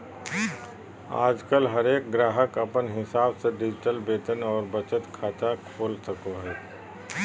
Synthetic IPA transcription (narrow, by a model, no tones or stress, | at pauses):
a̰ːd͡ʒkəlɦɐɾeːk̚ɡɾaːɦəkɐpənɦɪsaːbseɖɪd͡ʒɪʈəlbeːt̪ənɔːɾbət͡ʃət̪kʰaːt̪akʰoːlsəkoɦɛː